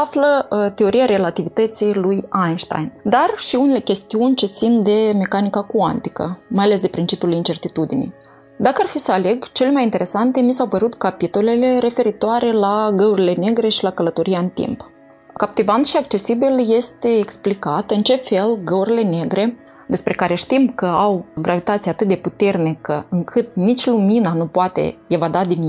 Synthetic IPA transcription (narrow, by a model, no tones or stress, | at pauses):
aflət̪e̞o̞ɾiaɾe̞lat̪ivit̪ət̪silujajnʃt̪a̰jnd̪arʃiune̞le̞kʲe̞st̪iunʲt͡ʃe̞t̪sind̪e̞me̞kanikakua̰nt̪ikə̰majale̞sd̪e̞pɾint͡ʃipjulint͡ʃe̞rt̪it̪ud̪inḭj | d̪akəarfisəale̞ɡt͡ʃe̞le̞majint̪e̞ɾe̞sant̪e̞mis̬awpəɾut̪kapit̪o̞le̞le̞ɾe̞fe̞ɾit̪oaɾe̞laɡəuɾile̞ne̞ɡɾe̞ʃilakələt̪o̞ɾijaɨnt̪ḭmp | kap̚t̪ivant̪ʃiakt͡ʃe̞sibilje̞st̪e̞ːksplikat̪ɨnt͡ʃe̞fe̞lɡəuɾile̞ne̞ɡɾe̞ | d̪e̞spɾe̞kaɾe̞ʃt̪imkəawɡɾavit̪at̪sijeat̪ɨt̪̚d̪e̞put̪e̞rnikəɨŋkʰɨt̪nit͡ʃʲluminanupoat̪e̞̰evad̪ad̪in